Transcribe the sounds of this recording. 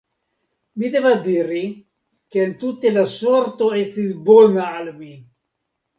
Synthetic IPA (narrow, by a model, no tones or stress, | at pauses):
mid̪evad̪iɾi | keːnt̪ut̪elasoɾt̪oest̪isbonaalmi